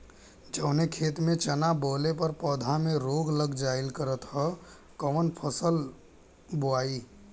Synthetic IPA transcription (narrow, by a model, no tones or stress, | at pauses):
d͡ʒəʊnekʰeːt̪mẽt͡ʃənaboːlepəɾpɔd̪ʱamẽɾoɡləɡd͡ʒaːɪlkəɾət̪ɦə | kəʋənpʰəsəl | boaːi